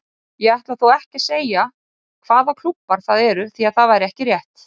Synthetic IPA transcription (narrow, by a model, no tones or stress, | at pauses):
jɛaht̪laðθowɛhcɪ̥seːja | kʰvaːðakʰl̥upːaɾ̥θaðɛɾʏθiaðθaðvajɾɪɛhcɪrjɛht̪